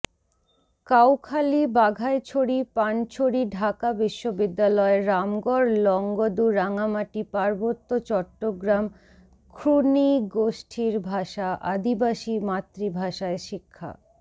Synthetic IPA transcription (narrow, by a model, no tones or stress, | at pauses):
kawkʰalibaɡʱaet͡ɕʰoɽipant͡ɕʰoɽiɖʱakabiʃːobid̪ːalɔeɾamɡɔɾlɔŋɡod̪uɾaŋamaʈipaɾbot̪ːot͡ɕɔʈːoɡɾam | kʰɾuniɡoʃʈʰiɾbʱaʃaʔad̪ibaʃimat̪ːɾibʱaʃaeʃikʰːa̰